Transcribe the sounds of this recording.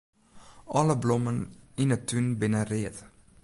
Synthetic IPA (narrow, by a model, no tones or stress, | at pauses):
ʔɑləblɔmənɪnət̪ʰːʉnbɪnəɾeːð